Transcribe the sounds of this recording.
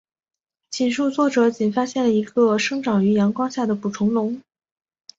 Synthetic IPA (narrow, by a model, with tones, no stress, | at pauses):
t͡ɕʰi˨˩nʂu˥˧t͡swɔ˥˩ʈ͡ʂɤ˨˩t͡ɕi˨˩nfa˥ɕjɛ˥˩nlə˩i˧˥ɡə˧ʂɤ˥ŋʈ͡ʂɑ˨˩ŋy˧˥jɑ˧˥ŋkwɑ˥ŋɕja˥˩d̪ə˩pu˨˩ʈ͡ʂʰʊ˧˥ŋlʊ˧˥ŋ